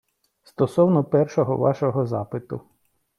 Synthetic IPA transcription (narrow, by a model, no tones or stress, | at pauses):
st̪ɔsɔwnɔpɛrʃɔɦɔ̰ʋɑ̰ʃɔɦɔzɑpɪt̪ʊ